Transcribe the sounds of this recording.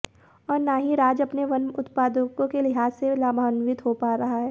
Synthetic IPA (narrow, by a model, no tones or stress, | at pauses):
ɔːɾnaːɦiɾaːd͡ʒɐpneʋɐnmʊt̪paːd̪əkõkelɪɦaːselaːbʱaːnʋɪt̪ɦopaːɾɐɦaɦɛː